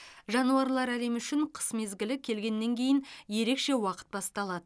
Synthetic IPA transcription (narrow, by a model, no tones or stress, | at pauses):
ʒɑnuɑɾlˠɑɾæle̞mʏʃɪɴqʰə̥sme̞zɡʲɪlɪkʲʰe̞lɡʲe̞nːe̞ŋkʲʰe̞jɪnje̞ɾe̞kʃe̞wɑqə̥t̪̚bɑst̪ɑlˠɑd̪ə